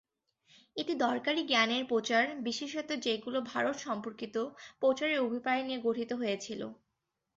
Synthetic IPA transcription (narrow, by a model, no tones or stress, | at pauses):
eʈid̪ɔɾkaɾiɡɛneɾpot͡ɕaɾbiʃeʃet̪od͡ʑeɡulobʱaɾot̪ʃɔmpoɾkit̪opot͡ɕaɾeɾobʱipaenieɡoʈʰit̪oɦojet͡ɕʰilo̰